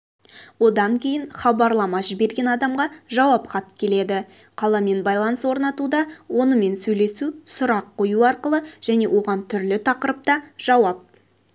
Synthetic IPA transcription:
wo̞d̪ɑŋkʲʰe̞jɪnχɑbɑɾlˠɑmɑʒɪbe̞ɾɡʲe̞nɑd̪ɑmʁɑʒɑwɑpχɑt̪ːkʲʰe̞le̞d̪ɪqʰɑlˠɑme̞nbɑjlˠɑnəswo̞ɾnɑt̪ud̪ɑwo̞nəme̞nsɵjle̞susʊɾɑqʰːo̞juɑɾqəlˠəʒ̥æne̞wo̞ʁɑnt̪ʰʏɾlɪt̪ʰɑqəɾəp̚t̪ɑʒ̥ɑwɑp̚

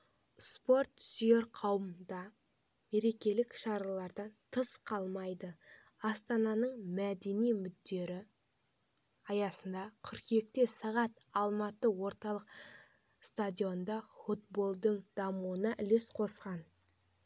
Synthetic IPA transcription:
spo̞ɾt̪sje̞ɾqʰɑwməmd̪ɑ | me̞ɾe̞kʲe̞lɪkʃɑɾɑlˠɑɾd̪ɑnt̪ʰəsqʰɑlˠmɑjd̪ə | ɑst̪ɑnɑnəɴmæd̪e̞nijmʏd̪ːe̞ɾɪ | ɑjɑsənd̪ɑkʲʰʏɾkje̞k̚t̪e̞sɑʁɑt̪ | ɑlˠmɑt̪əwo̞ɾt̪ɑlˠəq | st̪adʲijo̞nd̪ɑfut̪̚bo̞lˠd̪əɴd̪̥ɑmuənɑʔɪle̞sqʰo̞sqɑn

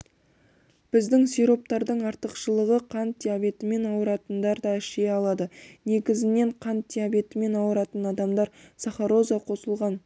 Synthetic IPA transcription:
b̥ɪzd̪ɪŋsejɾo̞p̚t̪ɑɾd̪əɴɑɾt̪əqʃəlˠəʁəqʰɑnt̪̚d̪ʲijabʲe̞t̪ɪme̞nɑwəɾɑt̪ənd̪ɑɾd̪ɑɪʃe̞ɑlˠɑd̪əne̞ɡʲɪzɪne̞ɴqʰɑnt̪̚d̪ʲijabe̞t̪ɪme̞nɑwəɾɑt̪ənɑd̪ɑmd̪ɑɾsɑχɑɾo̞zɑqʰo̞səlˠʁɑn

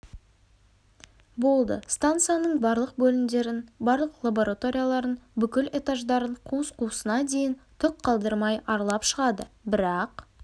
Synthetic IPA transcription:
bo̞lˠd̪ə̰st̪ant̪sɨjanəɴbɑɾlˠəq̚bɵlɪnd̪e̞ɾɪnbɑɾlˠəqlˠabo̞ɾʔat̪o̞ɾʲijalˠɑɾənbʏkʲɪle̞t̪aʒd̪ɑɾəɴqʰuəsqʰusənɑd̪e̞jɪnt̪ʰʏq̚qʰːɑlˠd̪əɾmɑjɑɾlˠɑpʃəʁɑd̪əbɪɾɑq

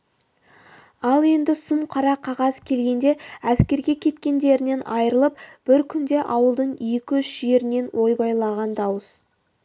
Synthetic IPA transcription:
ɑlˠe̞nd̪ɪsʊmqʰɑɾɑqʰɑʁɑzkʲʰe̞lɡʲe̞nd̪e̞æskʲe̞ɾɡʲe̞kʲʰe̞t̪kʲe̞nd̪e̞ɾɪne̞nɑjəɾəlˠəpb̥ɪɾkʲʰʏnd̪e̞ʔɑwəlˠd̪əɴijekʲɪʏʃʒe̞ɾɪne̞nwʔo̞jbɑjlˠɑʁɑnd̪ɑwəs

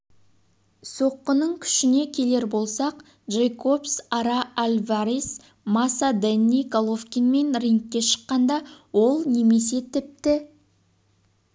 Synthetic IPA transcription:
so̞qːənəɴkʲʰʏ̥ʃɪne̞kʲʰe̞le̞ɾbo̞lˠsɑq | ʒejkʰo̞psɑɾɑalʲvaɾis | mɑsad̪enːikalˠofkʲinme̞nriŋkʲːe̞ʃə̥qːɑnd̪ɑwo̞lˠne̞me̞s̬e̞t̪ʰɪp̚t̪ɪ

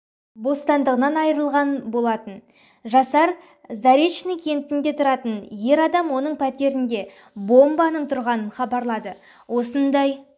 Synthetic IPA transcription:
bo̞st̪ɑnd̪əʁənɑnɑjəɾəlˠʁɑnbo̞lˠɑt̪ən | ʒɑsɑɾ | zɑɾet̪ʃnɪŋkʲʰe̞nt̪ɪnɪd̪e̞t̪ʰʊɾɑt̪ənje̞ɾɑd̪ɑmwo̞nəɴpʰæt̪e̞ɾɪnd̪e̞ | bo̞mbɑnəɴt̪ʰʊɾʁɑnənχɑbɑɾlˠɑd̪ə | wo̞sənd̪ɑj

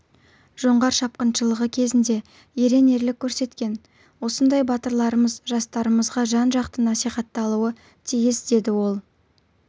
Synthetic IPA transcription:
ʒ̥o̞ɴʁɑɾʃɑp̚qənʃəlˠəʁəkʲʰe̞zɪnd̪e̞ | eɾe̞ne̞ɾlɪkʲʰːɵɾse̞t̪kʲe̞n | wo̞sənd̪ɑjbɑt̪əɾlˠɑɾəməzʒɑst̪ɑɾəməzʁɑʒɑnʒɑqt̪ənɑsijχɑt̪ːɑlˠuə | t̪ʰijɪsd̪e̞d̪ɪwo̞lˠ

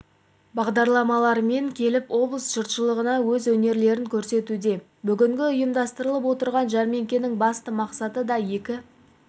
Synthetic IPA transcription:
bɑʁd̪ɑɾlˠɑmɑlˠɑɾme̞ŋkʲʰe̞lɪpwo̞blˠəsʒ̥ʊɾt̪ʃəlˠəʁənɑwɵzwɵne̞ɾle̞ɾɪŋkʲʰɵɾse̞t̪ud̪e̞ | bʏɡʲɪŋɡʲɪʊjəmd̪ɑst̪əɾəlˠəp̬wo̞t̪əɾʁɑnʒɑɾme̞ŋkʲe̞nɪŋbɑst̪əmɑqsɑt̪əd̪ɑje̞kʲɪ

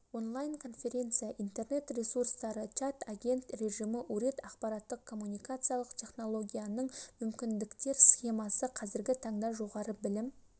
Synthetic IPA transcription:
wo̞nlˠajnkʰo̞nfʲe̞ɾʲe̞nt̪sɨjaʔijnt̪e̞rne̞t̪rʲe̞surst̪ɑɾət͡ʃat̪aɡʲe̞nt̪rʲe̞ʒijmɪʔɵɾe̞t̪ɑqpɑɾat̪ːəq̚kʰo̞mːunijkat̪sɨjalˠəqt̪ʲʰe̞χno̞lˠo̞ɡʲijanəɴmʏmkʲɪnd̪ɪkt̪e̞ɾsχe̞mɑsəqʰɑzɪɾɡʲɪt̪ʰɑɴd̪ɑʒo̞ʁɑɾəbɪlɪm

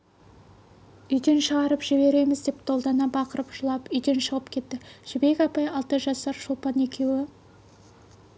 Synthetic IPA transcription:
ʏjd̪e̞nʃəʁɑɾəpʒ̥ɪbe̞ɾe̞mɪzd̪e̞p̚t̪ʰo̞lˠd̪ɑnɑbɑqəɾəpʒʊlˠɑpʏjd̪e̞nʃəʁəpkʲʰe̞t̪ːɪʒ̥ɪbe̞kʲɑpɑjɑlˠt̪əʒɑsɑɾʃʊlˠpɑne̞kʲʰe̞wɪ

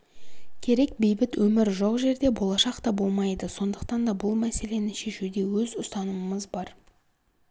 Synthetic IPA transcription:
kʲʰe̞ɾe̞k̚be̞jbɪt̪wɵmɪɾʒoqʒe̞ɾd̪e̞bo̞lˠɑʃɑqt̪ɑbo̞lˠmɑjd̪əso̞nd̪əq̚t̪ɑnd̪ɑbʊlˠmæse̞le̞nɪʃe̞ʃud̪e̞wɵzʊst̪ɑnəməməzbɑɾ

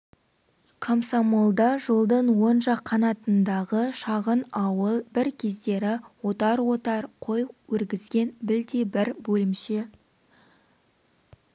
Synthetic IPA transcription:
kʰomsamolˠd̪ɑʒo̞lˠd̪ənwo̞nʒɑqʰːɑnɑt̪ənd̪ɑʁəʃɑʁənɑwəlˠbɪɾkʲʰe̞zd̪e̞ɾɪwo̞t̪ɑɾwo̞t̪ɑɾqʰo̞jwɵɾɡʲɪzɡʲe̞nbɪld̪ebɪɾbɵlɪmʃe

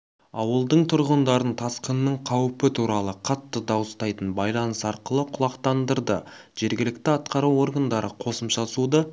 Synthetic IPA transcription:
ɑwəlˠd̪əɴt̪ʰʊɾʁənd̪ɑɾənt̪ʰɑsqənːəɴqʰɑwpɪt̪ʰuɾɑlˠəqʰɑt̪ːəd̪ɑwəst̪ɑjt̪ənbɑjlˠɑnəsɑɾqəlˠəqʰʊlˠɑqt̪ɑnd̪əɾd̪ə̰ | ʒ̥e̞ɾɡʲɪlɪk̚t̪ɪɑt̪qɑɾuwo̞ɾɡand̪ɑɾəqʰo̞səmʃɑsud̪ə

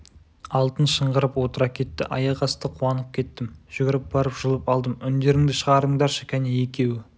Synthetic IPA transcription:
ɑlˠt̪ənʃəɴʁəɾəpwo̞t̪əɾɑkʲʰe̞t̪ːɪ̰ʔɑjɑqɑst̪əqʰuɑnəp̚kʲʰe̞t̪ːɪmʒ̥ʏɡʲɪɾɪp̚b̥ɑɾəpʒ̥əlˠəpɑlˠd̪əmʏnd̪e̞ɾɪŋd̪ɪʃəʁɑɾəɴd̪ɑɾʃɪ̥kʲʰæneje̞kʲe̞wɪ

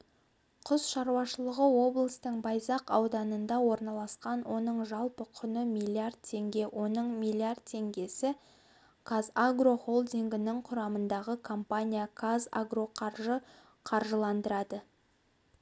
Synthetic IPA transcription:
qʰʊzʃɑɾuwɑʃəlˠəʁəwo̞blˠəst̪əɴbɑjzɑqɑwd̪ɑnənd̪ɑwo̞ɾnɑlˠɑsqɑnwʔo̞nəɴʒɑlˠpəqʰʊnəmilʲˠiard̪̚t̪ʰe̞ŋɡʲe̞wʔo̞nəɴmilʲˠiard̪̚t̪ʰe̞ŋɡʲe̞sɪ | kazaɡro̞χo̞lˠd̪iŋɡʲɪnɪŋqʰʊɾɑmənd̪ɑʁəkʰompanʲijakʰaza̰ɡro̞qʰɑɾʒə | qʰɑɾʒəlˠɑnd̪əɾɑd̪ə

